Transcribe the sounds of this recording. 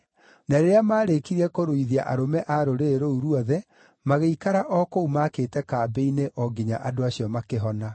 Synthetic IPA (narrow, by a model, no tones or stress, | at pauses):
naɾeɾeamaːɾekiɾɛkoɾoiðia̰ʔaɾomɛʔaɾoɾeɾouɾuɔðɛ | maɣeikaɾaʔɔkoumakeːtɛkaːbeineʔɔɡiɲaʔadoaɕjɔmakeɦɔna